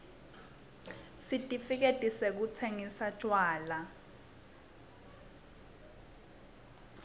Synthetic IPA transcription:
sitʼifik̬etʼisek̬ut͡sʰeŋisḁt͡ʃʼwaːla

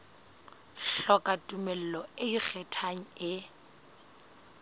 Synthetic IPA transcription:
ɬɔkʼatʼumɛl̩lɔɪik͡xʰɛtʰaŋ̩ɪ

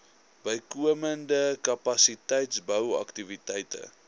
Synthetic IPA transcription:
b̥əjkuəməndəkɐpɐsitɛjtsbəwɐ̰ktivitɛjtə̰

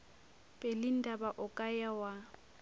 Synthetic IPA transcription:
pʼɛlɪn̩dabaʔʊkʼajawa

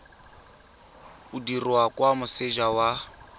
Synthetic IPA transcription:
udirakʼwamʊsɪʒawa

